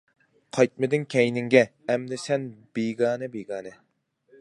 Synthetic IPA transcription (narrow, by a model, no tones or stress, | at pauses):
qʰɑjt̪̚mɪd̪ɪŋkʲʰɛjnɪŋɡʲɛ | ɛmd̪ɪsɛnbeɡɑːnɨbeɡɑːnɨ